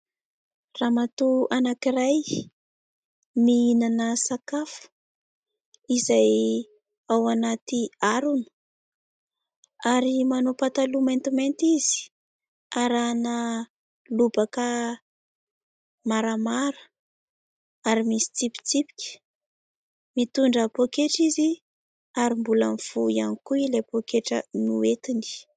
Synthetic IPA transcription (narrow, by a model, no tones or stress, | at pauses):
ramat̪uanakiraj | miinanəsakafə̥ | izaj | awanat̪iaɾunə̥ | aɾimanopat̪alument̪iment̪izi̥ | aɾanə | lubakə | maɾamaɾə̥ | aɾimisi̥t͡sipi̥t͡sipi̥kʲə̥ | mit̪uɳɖ͡ʐəpokeʈ͡ʂizi | aɾimbulamifuianikuilepokeʈ͡ʂənuet̪ini̥